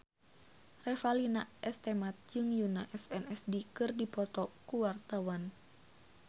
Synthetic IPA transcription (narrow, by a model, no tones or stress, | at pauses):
rɛfalinaʔɛst̪ɛmat̪̚d͡ʒɨŋjunaʔɛsɛnɛsdikɨrdipɔt̪ɔkuwart̪awan